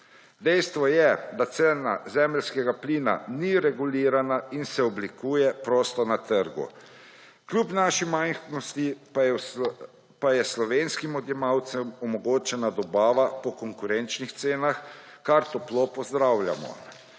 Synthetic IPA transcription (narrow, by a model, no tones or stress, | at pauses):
d̪ɛjst̪ʋɔjɛd̪at̪sena̰zɛːmɛlskɛɡapliːna̰niɾɛɡuliːɾanainsɛɔblikuːjɛpɾoːst̪ɔnat̪əɾɡṵ | kljupnaʃimajnxnɔst̪i | pajɛslɔʋeːnskimɔd̪jɛmawt̪sɛmɔmɔɡoːt͡ʃɛnad̪ɔbaːʋapɔkɔŋkuɾɛnt͡ʃnixt̪seːnaxkaɾt̪ɔplopɔzd̪ɾawlja̰mɔ̰